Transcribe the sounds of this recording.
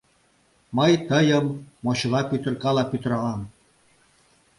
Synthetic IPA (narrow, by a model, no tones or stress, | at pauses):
məjt̪əjəmːoɕlɑpyt̪ə̆rkɑlɑpyt̪əɾɑlɑm